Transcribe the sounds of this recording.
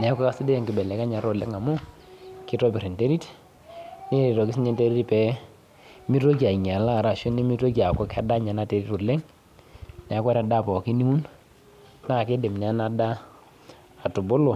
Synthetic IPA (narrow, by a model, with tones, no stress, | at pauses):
nɛ˨a˦kʷɔ˦ka˦si˦de˦jɛ˨ŋɡɪ˨bɛ˨lɛ˨ka˦ɲa˨˦ɾo˨lḛ˦ŋa˨mʊ˦ | ki˦tɔ˦bi˨ɾi˨nte˦ɾi˦t | ne˦ɾe˨ɾo˨ki˦sne˦nte˦ɾi˦tpɛ˦ | mi˦to˦ka˨i˨ɲ˨a˨la˦˨ɾa˨ʃo˦ni˦mi˦to˦ka˨kɔ˦ka˦da˦ɲa˨na˦te˨˦ɾi˦to˨le˦ŋ | nɛ˨a˨˦kwe˦ɾa˨da˦˨pɔ˨ki˦ni˦u˦n | na˦˨ke˦de˨mɲa˦na˦da˦ | a˨tu˨bʊ˦lo˨